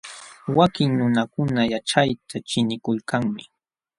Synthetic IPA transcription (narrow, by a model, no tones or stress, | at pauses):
wakɪŋnʊnakʊnajaʈ͡ʂajt̪ʰat͡ʃɪnɪkʊlkaŋmɪ